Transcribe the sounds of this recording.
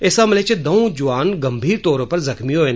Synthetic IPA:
eːsamɪlet͡ʃed̪ɐõd͡ʒʊʋaːnɡɐmbʱiːɾt̪oːɾõpɐɾzɐxmiɦoːen

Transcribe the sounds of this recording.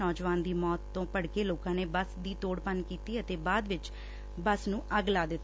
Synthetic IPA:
ɔːd͡ʒʋaːnd̪iːmɔːt̪ːõːpəɽkeːloːkãːneːbəsd̪iːt̪oːɽpənkiːt̪iːət̪eːbaːd̪ʋɪt͡ʃ | bəsnũːʔəɡlaːd̪ɪt̪ː

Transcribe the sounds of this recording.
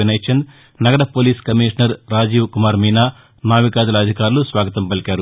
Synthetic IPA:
inɐjt͡ʃɐnd̪ | nɐɡɐɽɐpoːliːskɐmiːʂɐnɐɾɾaːd͡ʒiːʋkumaːɾmiːnaː | naːʋikaːd̪ulɐːd̪ʱikaːɾulusʋaːɡɐt̪ɐmpɐlikʲaːɾu

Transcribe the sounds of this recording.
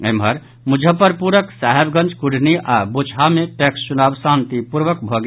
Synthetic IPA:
emɦəɾ | mud͡ʒʱəpəɾpuɾəksaɦebɡə̃nt͡ʃkuɽ̤niʔabot͡ʃʰɦameʈekst͡ʃunabsant̪ipuɾʋəkbʱɔɡ

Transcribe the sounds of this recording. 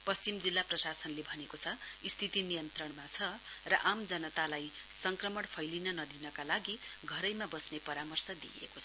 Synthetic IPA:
pʌst͡simd͡zilːaprʌsasʌnlebʱʌnekot͡sʰʌ | ist̪ʰit̪inijʌnt̪rʌɳmat͡sʰʌ | rʌʔamd͡zʌnʌt̪alaj | sʌŋkrʌmʌɽpʰʌjlinʌnʌd̪inʌkalaɡi | ɡʱʌɾʌjmabʌsnepʌɾamʌrsʌd̪ḭḛkot͡sʰʌ

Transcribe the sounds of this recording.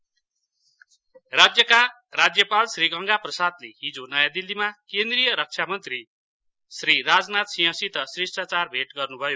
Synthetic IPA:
rad͡zjʌka | rad͡zjʌpalsriɡʌŋɡaprʌsad̪leɦid͡zonʌjad̪ilːimakend̪rijʌɾʌk̚t͡ʃʰamʌnt̪ri | sriɾad͡znat̪siɦʌ̃sit̪ʌsrisʈat͡sarbʱeʈɡʌrnubʱʌjo

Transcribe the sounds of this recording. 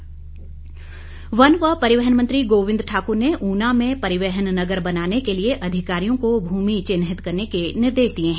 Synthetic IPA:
ʋɐnʋəpɐɾɪʋɛɦənmɐ̃nt̪ɾiɡoːʋɪ̃nd̪ɾʈʰaːkʊɾneʔuːnamẽpɐɾɪʋɛɦənnɐɡəɾbɐnaːnekelieʔɐd̪ʱɪkaːɾijõkobʱuːmit͡ʃɪnɦɪt̪kɐɾnekenɪɾd̪eːʃd̪iẽɦɛ̃ː

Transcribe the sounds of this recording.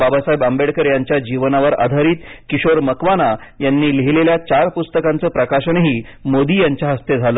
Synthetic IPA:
babasajbambeɽkəɾjaɲt͡ɕjad͡ʑiʋnaʋəɾa̰d̪ʱaɾiːt̪kiɕoɾməkʋana | janːiːleɦileljat͡ɕaɾpust̪əkant͡səːpɾəkaɕəɳɦiːmod̪iːjaɲt͡ɕjaɦəst̪ed͡zʱalə

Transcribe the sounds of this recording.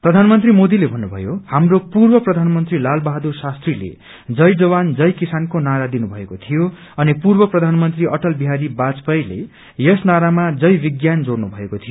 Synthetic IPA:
prʌd̪ʱanmʌnt̪rimod̪ilebʱʌnːubʱʌjohamropurbʌprʌd̪ʱanmʌnt̪rilalbaɦd̪ursast̪rilḛ | d͡zʌjd͡zʌβand͡zʌjkisankonaɾad̪inubʱʌekot̪ʰijo | ʌnipurbʌprʌd̪ʱanmʌnt̪riʔʌʈʌlbiɦaɾibad͡zpʌjlḛ | jʌsnaɾamad͡zʌjbiɡjand͡zornubʱʌekot̪ʰijo

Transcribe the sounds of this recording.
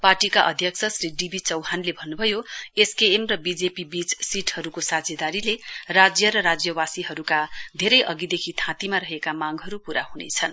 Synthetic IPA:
parʈikaʔʌ̰d̪ʱjʌksʰʌsriɖibʱit͡sʌwɦanlebʱʌnːubʱʌjoeskeːmrʌbid͡zepibit͡ssiʈhʌɾukosad͡zed̪aɾilerad͡zjʌɾʌɾad͡zjʌbasiɦʌɾukad̪ʱeɾʌjʔʌɡid̪ekʰit̪ʰãt̪imaɾʌɦekamaŋɡɦʌɾupuɾahunḛt͡sʰʌn

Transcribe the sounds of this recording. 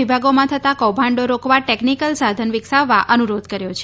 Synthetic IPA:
ibʱaɡomãt̪ʰət̪akɔwbʱãɳɖoɾokʋaʈeknikəlsad̪ʱənʋɪksaʋːaʔənuɾod̪kəɾjot͡ʃʰe

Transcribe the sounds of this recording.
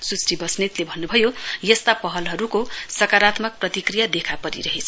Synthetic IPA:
susribʌsnet̪lebʱʌnːubʱʌjojʌst̪apʌɦʌlɦʌɾukosʌkaɾat̪mʌk̚prʌt̪ikrijad̪ekʰapʌɾḭɾʌɦet͡sʰʌ

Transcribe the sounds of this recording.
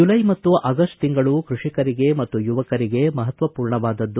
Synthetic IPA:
ulɐjmɐt̪ːuʔʔɐɡɐsʈt̪iŋɡɐɭukɾuʂikɐɾiɡe̞mɐt̪ːujuʋɐkɐɾiɡe̞mɐɦɐt̪ʋɐpuːɾɳɐʋaːd̪ɐd̪ːu

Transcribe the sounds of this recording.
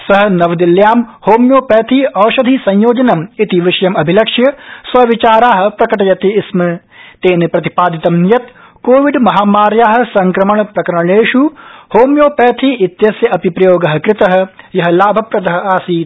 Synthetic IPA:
sɐɦɐnɐʋɐd̪iljaːmhoːmjoːpɛːt̪ʰiːɐːʃɐd̪ʱisɐ̃j̃joːd͡ʒɐnɐmit̪iʋɪʃɐjɐmɐbʱilɐkʂjɐsʋɐʋit͡ʃaːɾaːɦɐ̆pɾɐkɐʈɐjɐt̪esmɨ | t̪eːnipɾɐt̪i̥paːd̪it̪ɐmnjɐt̪ | koːʋiɖmɐɦaːmaːɾjaːɦɐ̆sɐ̃ŋkɾɐmɐɳpɾɐkɐɾɐɳ̃eːʃuhoːmjoːpɛːt̪ʰiːɪt̪jɐsjɐʔɐpipɾɐjoːɡɐɦɐ̆kɾɪt̪ɐɦɐ̆jɐɦɐ̆laːbʱɐpɾɐd̪ɐɦɐ̆aːsiːt̪

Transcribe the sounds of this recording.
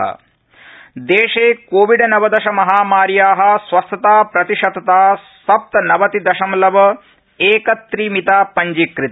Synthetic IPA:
ɐ̰ | d̪eːʂeːkoːʋiɖɐnɐʋɐd̪ɐʃɐmɐɦaːmaːɾjaːɦɐ̆sʋɐst̪ɐt̪aːpɾɐt̪iʃɐd̪ɐt̪aː | sɐp̚t̪ɐnɐʋɐt̪id̪ɐʃɐmlɐʋɐ | eːkɐt̪ɾimit̪aːpɐɲd͡ʒikɾit̪

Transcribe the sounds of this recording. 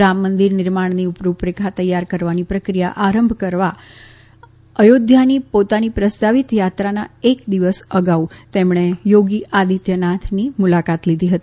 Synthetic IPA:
ɾamːənd̪iɾnɪɾmaɳniupɾupɾekʰat̪əjːaɾkəɾʋanipɾəkɾija̰ʔaɾəmbʱkəɾʋa | əjod̪ʱjanipot̪anipɾəst̪aʋit̪jat̪ɾana̰ekd̪iʋəsəɡaut̪emɳ̃ejoɡiʔad̪ʱit̪jənat̪ʰnimulakat̪lid̪ʱiɦət̪ii

